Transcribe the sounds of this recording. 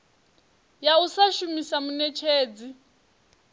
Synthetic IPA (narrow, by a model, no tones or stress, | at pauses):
jausaʃumisamunɛt͡ʃʰeːd͡zi